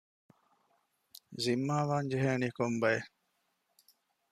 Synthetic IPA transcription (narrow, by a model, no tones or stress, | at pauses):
zimːaːʋaːɲd͡ʒeɦeːniːkombɐje